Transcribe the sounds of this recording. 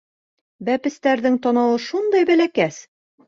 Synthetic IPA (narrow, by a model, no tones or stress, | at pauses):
bæpɘ̆st̪æɾðɘŋt̪ɒnɑwɤʃund̪ɑjbælækæs